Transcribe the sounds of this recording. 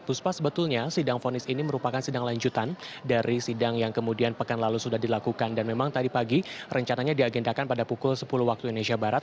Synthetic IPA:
puspasəbət̪ulɲasidaŋfonɪsiniməɾupakansidaŋlaɲd͡ʒut̪andaɾʔisidaŋjaŋkəmudianpəkanlalusudahdilakukandanmemaŋt̪adipaɡirʔəɲt͡ʃanaɲadiaɡendakanpadapukʊlsə̥puluhwak̚t̪uinesiabaɾat̪̚

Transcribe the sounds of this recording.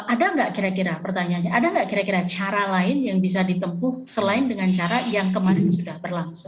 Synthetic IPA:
ʔadaŋɡaʔkiɾakiɾapərt̪aɲaːnɲaʔadaŋɡaʔkiɾakiɾat͡ʃaɾalaɪnjaŋbis̬adit̪əmpʊhsəlaɪndəŋant͡ʃaɾajaŋkəmaɾɪnsudahbərlaŋsʊŋ

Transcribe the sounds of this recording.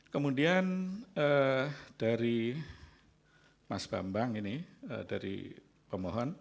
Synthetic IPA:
kəmudianəd̥aɾi | masb̥a̰mbaŋiniə̰daɾḭ | pəmɔɦɔn

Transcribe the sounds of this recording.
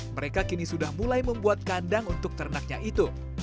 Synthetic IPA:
məɾekakinisudahmulajməmbuat̪̚kandaŋunt̪ʊk̚t̪əɾnak̚ɲaʔit̪u

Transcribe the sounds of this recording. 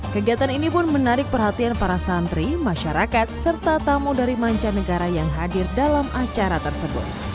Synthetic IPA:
kəɡiat̪aninipʊnmənaɾɪk̚pərɦat̪ianpaɾasant̪ɾimaʃaɾakat̪̚sərt̪at̪amudaɾimaɲt͡ʃanəɡaɾajaŋɦadɪrdalamat͡ʃaɾat̪ərsəbʊ̰t̪̚

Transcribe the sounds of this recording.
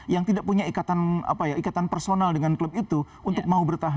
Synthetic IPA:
jaŋt̪idaʔpuɲaikat̪ana̰pajaikat̪anpərsonaldəŋankləbit̪u | unt̪ʊk̚maubərt̪aɦ

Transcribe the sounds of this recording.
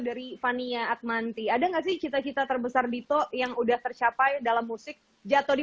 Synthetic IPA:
daɾifaniaːt̪̚mant̪iadaŋɡaʔs̬ɪht͡ʃit̪at͡ʃit̪at̪ərbəsardit̪ɔʔjaŋudaht̪ərt͡ʃapajdalamːusɪk̚ | d͡ʒat̪odi

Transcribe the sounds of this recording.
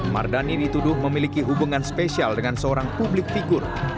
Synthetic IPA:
ma̰rdanidit̪udʊhməmilikiɦubuŋanspesialdəŋansəoɾaŋpublɪk̚fiɡʊr

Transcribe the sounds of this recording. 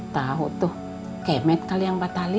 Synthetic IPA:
t̪aɦut̪ʊh | kɛmɛt̪̚kaliaŋbat̪ali

